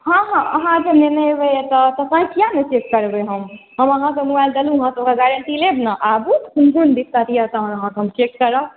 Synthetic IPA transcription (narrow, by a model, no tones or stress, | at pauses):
ɦãɦãəɦãd͡ʒenenəbet̪ɔt̪ətnãɦĩkijanət͡ʃekːəɾbeɦəmɦəməɦãkemubajld̪əluəɦãsəb̚kaɡaɾəɳʈilebnaʔabut̪kunkund̪ikt̪at̪ijat̪aɦnəɦãsəmt͡ʃekːəɾə